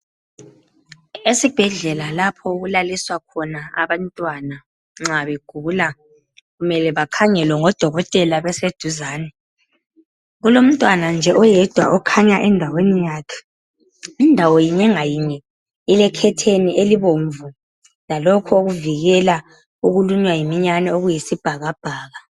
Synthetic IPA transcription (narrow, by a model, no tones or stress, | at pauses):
esib̥ʱɛɮɛlalapʰɔoɣulaliswakʰɔnaa̰βantʼwana | ŋ͡ǁaβeɡ̥ʱula | ɣumɛlɛβakʰaɲɛlwɛŋɔd̥ʱɔɣɔtʼɛlaβɛsed̥ʱuzaːnɛ | ɣulom̩tʼwanand͡ʒʱɛʔɔjɛd̥ʱwaʔɔkʰaɲaʔɛndʱawenijaːkʰɛ̥ | indʱawɔjiɲɛŋajiɲɛ | ilɛkʰɛtʰeniʔeliβoɱvu | lalɔkʰɔoɣuviɣɛla | uɣuluɲwajimiɲanɛoɣujisib̥ʱaɣab̥ʱaːɣa